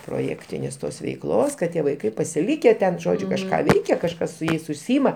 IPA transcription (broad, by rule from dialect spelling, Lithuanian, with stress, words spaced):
proːˈjæːktʲɪnʲeːs ˈtoːs ʋʲɛɪkˈlˠoːs kɐt ˈtʲiɛ ʋɐɪˈkɐɪ pɐsʲɪˈlʲiːkʲɛ tʲɛn ˈʒoːd͡ʒʲʊ kɐʃˈkɑː ˈʋʲɛɪkʲɛ kɐʃˈkɐs sʊ ˈjɛɪs ʊʃʲˈsʲiːɪmɐ